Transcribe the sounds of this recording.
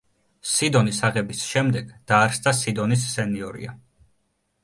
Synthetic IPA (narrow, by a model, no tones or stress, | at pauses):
sid̪ɔnisaʁɛbisʃɛmd̪ɛɡd̪̥aːɾsd̪asid̪ɔnis̬ːɛniɔɾḭa